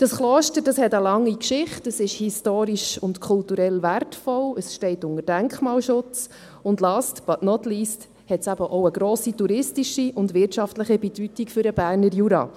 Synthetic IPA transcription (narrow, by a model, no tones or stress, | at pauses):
d̥ɑsχloːʃtəɾd̥ɑshɛtəlɑŋːikʃɪχtəsɪʃhistoːɾiʃʊntkʰʊltuɾɛlværtfɔləsʃtɛɪtʊŋəd̥æŋkχmɑːlʃʊt͡s | ʊndlɑːstb̥ɑtnɔtliːst | hɛtsæbəʔoʊəɡɾoːsituɾɪstiʃiʊndʋɪrtʃɑftləχibɛd̥ytikfʏɾəb̥æːɾnəɾjuɾɑ̰ː